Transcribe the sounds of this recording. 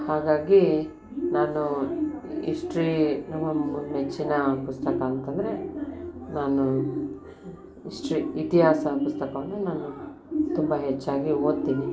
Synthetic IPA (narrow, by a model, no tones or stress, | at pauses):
haːɡaːɡi | naːnu | iʂʈɾinɐmɐmet͡ʃːinɐpust̪ɐkɐːnt̪ɐnd̪ɐɾe | naːnu | iʂʈɾiit̪iɦaːsɐpust̪ɐkɐʋɐnːunaːnu | t̪umbɐɦet͡ʃːaːɡioːd̪t̪ːiːni